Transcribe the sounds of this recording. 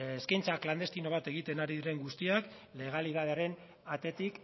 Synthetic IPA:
eskajnt͡sakland̪et̪ino̞β̞at̪e̞ɣ̞it̪e̞naɾiðiɾe̞ŋɡust̪iak | le̞ɣ̞aliðaðeaɾe̞n | at̪e̞t̪ik

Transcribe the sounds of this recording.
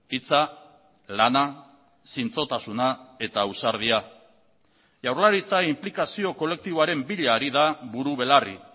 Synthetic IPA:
it͡sa | lana | sint͡so̞t̪asunae̞t̪ausaɾðia | ʝawɾlaɾit͡saimplikasio̞ko̞le̞k̚t̪iβoaɾe̞mbiʎaːɾiðaβuɾuβe̞larḭ

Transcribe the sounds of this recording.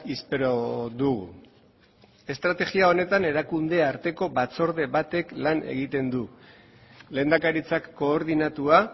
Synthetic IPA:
ispe̞ɾo̞ðuɣ̞ṵ | e̞st̪ɾat̪e̞ɣiao̞ne̞t̪ane̞ɾakund̪e̞aɾt̪e̞ko̞bat͡so̞ɾðe̞βat̪e̞klane̞̰ɣ̞it̪e̞nd̪u | le̞ːnd̪akaɾit͡sakːo̞ːɾðinat̪ua

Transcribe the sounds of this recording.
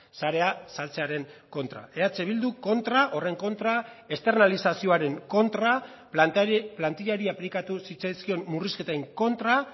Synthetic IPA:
saɾe̞asalt͡se̞aɾe̞ŋko̞nt̪ɾa̰e̞at͡seβild̪uko̞nt̪ɾaʔo̞re̞ŋko̞nt̪ɾae̞st̪e̞ɾnalisasio̞aɾe̞ŋko̞nt̪ɾa | plant̪iʎaɾiaplikat̪usit͡sajskio̞nmuriske̞t̪aiŋko̞nt̪ɾa

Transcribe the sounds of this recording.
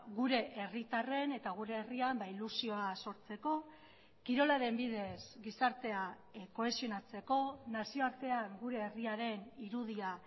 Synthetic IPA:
ɣuɾe̞ʔerit̪are̞ne̞t̪aɣ̞uɾe̞ːriambailusio̞aso̞ɾt͡se̞ko̞ | kiɾo̞laɾe̞mbiðe̞sɡisaɾt̪e̞a | ko̞e̞sio̞nat͡se̞ko̞nasio̞aɾt̪e̞aŋɡuɾe̞ːriaɾe̞niɾuðia

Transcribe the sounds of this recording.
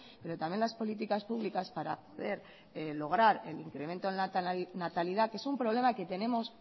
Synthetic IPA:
pe̞ɾo̞t̪amje̞nlaspo̞lit̪̬ikaspuβlikaspaɾa̰po̞ðe̞ɾ | lo̞ɣ̞ɾaɾe̞̰liŋkɾe̞mẽ̞nt̪o̞nanat̪aliðake̞sumpɾo̞β̞le̞make̞t̪e̞nẽ̞mo̞s

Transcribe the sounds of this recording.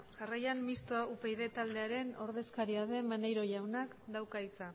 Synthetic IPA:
ʝarajammist̪oaupejðe̞t̪ald̪e̞aɾe̞no̞ɾðe̞skaɾiaðe̞manejɾo̞ʝawnakd̪awkajt͡sa

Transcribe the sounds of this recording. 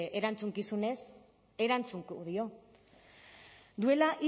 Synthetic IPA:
ʔeɾant͡suŋkisune̞s | e̞ɾant͡suŋkuðio̞ | d̪ue̞laʔi

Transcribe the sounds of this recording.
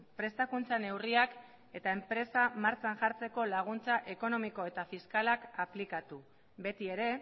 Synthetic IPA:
pɾe̞st̪akunt͡sane̞wriak | e̞t̪ae̞mpɾe̞samaɾt͡sanʝaɾt͡se̞ko̞laɣ̞unt͡saʔe̞ko̞no̞miko̞e̞t̪afiskalakaplikat̪u | be̞t̪ie̞ɾe̞

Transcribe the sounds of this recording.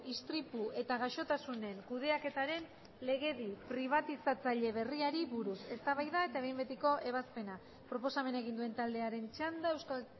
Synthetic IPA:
ist̪ɾipue̞t̪aɣ̞aʃo̞t̪asune̞ŋkuðe̞ake̞t̪aɾe̞n | le̞ɣ̞e̞ðipɾiβ̞at̪isat͡saʎe̞β̞e̞riaɾiβuɾuse̞st̪aβajðae̞t̪aeβjmbet̪iko̞ʔe̞β̞aspe̞na | pɾo̞po̞same̞nae̞ɣind̪ue̞nt̪ald̪e̞aɾe̞nt͡ʃand̪ae̞wskal

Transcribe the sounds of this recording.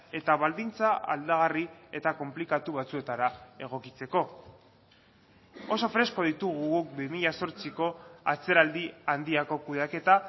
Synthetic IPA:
e̞t̪aβald̪int͡saa̰ld̪aɣ̞arie̞t̪ako̞mplikat̪uβat͡sue̞t̪aɾae̞ɣ̞o̞kit͡se̞ko̞ | oso̞fɾe̞sko̞ð̞it̪uɣ̞uɣuk̚bimiʎaso̞ɾt͡siko̞at͡se̞ɾald̪iand̪iako̞kuðake̞t̪a

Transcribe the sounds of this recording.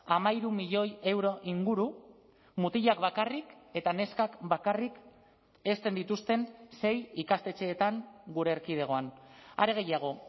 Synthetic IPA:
amaiɾumiʎo̞je̞wɾo̞ʔiŋɡuɾu | mut̪iʎakβakarike̞t̪ane̞skakbakarik | e̞st̪e̞nd̪it̪ust̪e̞nse̞jikast̪e̞t͡ʃe̞ːt̪aŋɡuɾeːɾkið̞e̞ɣ̞o̞ana̰ɾe̞ɣ̞e̞jaɣ̞o̞

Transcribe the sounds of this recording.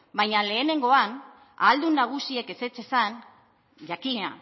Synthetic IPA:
bajɲale̞ːne̞ŋɡo̞an | a̰ːld̪unːaɣ̞usie̞ke̞se̞t͡se̞san | ʝakiɲa

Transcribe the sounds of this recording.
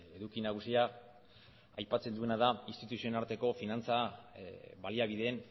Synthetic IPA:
e̞ðukinaɣ̞usia | ajpat͡se̞nd̪ue̞nað̞ainst̪it̪usionaɾt̪e̞ko̞finant͡sa | βaliaβiðe̞ːn

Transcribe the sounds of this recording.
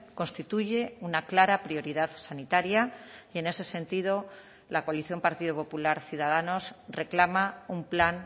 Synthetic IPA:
ko̞nst̪it̪uʝe̞unaklaɾapɾjo̞ɾiðaðsanit̪aɾjaie̞ne̞se̞se̞nt̪iðo̞ | lakoaliθjo̞mpaɾt̪iðopo̞pulaɾθjuðað̞ano̞sre̞klamaumplan

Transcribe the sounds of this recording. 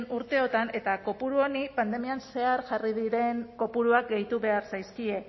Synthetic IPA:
nuɾt̪e̞o̞t̪ane̞t̪ako̞puɾuonipand̪e̞mianse̞aɾʝarið̞iɾe̞ŋko̞puɾuak̚ɡe̞jt̪uβe̞aɾsajskie̞

